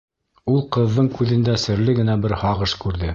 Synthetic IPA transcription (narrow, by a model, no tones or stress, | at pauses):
ulˠqɤ̆ðːɤɴkʉðɘ̆nd̪æsɘ̆ɾlɘɡɘ̆næbɘɾhɑʁɤʃkʉɾðɘ